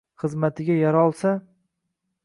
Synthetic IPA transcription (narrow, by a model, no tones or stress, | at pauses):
χɨzmat̪ʰɪɡʲajaɾɒlˠsa